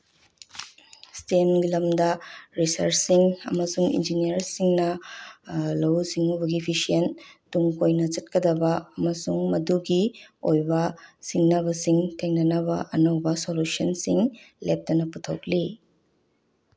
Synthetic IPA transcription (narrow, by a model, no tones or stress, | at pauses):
stenɡilɐmdɐɾisɐ̰ɾt͡ʃsiŋɐ̰mɐsuŋḭnd͡ʒiniɐɾsiŋnɐ | lɐwziŋubɐɡipʰisientuŋkojnɐt͡ʃɐt̚kɐdɐbɐɐmɐsuŋmɐduɡiojbɐsiŋnɐbɐsiŋtʰeŋnɐnɐbɐʔɐnɐwbɐsolusiɐnsiŋ | lep̚tɐnɐputʰowk̚li